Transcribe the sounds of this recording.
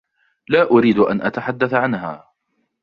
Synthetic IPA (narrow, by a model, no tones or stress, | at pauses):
laːʔʊɾiːd̪ʔa̰nʔat̪aħad̪ːaθʕanɦa̰ː